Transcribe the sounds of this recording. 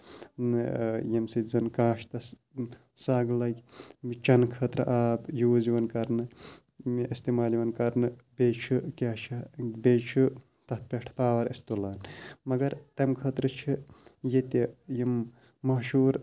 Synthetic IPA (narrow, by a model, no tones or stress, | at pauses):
nɨjɐmsizɐnkaːʃt̪ɐs | saːɡlɐɡʲit͡ʃɐnkʰɐːt̪ɾɨʔaːbjuːziʋɐnkɐɾnɨ | miʔist̪imaːliʋɐnkɐɾnɨbet͡ʃʰɨkʲat͡ʃʰɐbeːt͡ʃʰu | t̪ɐt̪̚ʰpʲeʈʰpaːʋɐɾist̪ulaːnmɐɡɐɾt̪ɐmkʰɐːt̪ɾɨt͡ʃʰijet̪ejimː | ɐɦʃuːɾ